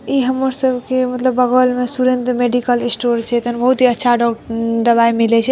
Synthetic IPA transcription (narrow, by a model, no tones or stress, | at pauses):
iɦəmːəɾsəbkemət̪ləbːəɣʋəlmesuɾend̪ɾmeɖikəlisʈoɾt͡ʃʰɛt̪ənbəɦut̪ɦiətːʃʰaɖɔd̪əβaimilɛt͡ʃʰɛ